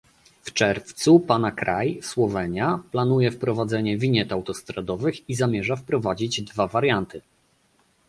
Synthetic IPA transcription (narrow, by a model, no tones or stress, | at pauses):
ft͡ʂɛɾft̪supanakɾajswɔvɛɲaplanujɛfpɾɔvad̪zɛɲɛvʲiɲɛt̪awt̪ɔst̪ɾad̪ɔvɘxizamʲjɛʐafpɾɔvad͡ʑid͡ʑd̪vavaɾjant̪ɘ